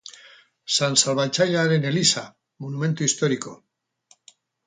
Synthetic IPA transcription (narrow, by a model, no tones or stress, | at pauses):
sansalβat͡ʃaʎaɾe̞ne̞lisa | monume̞nt̪uist̪o̞ɾiko̞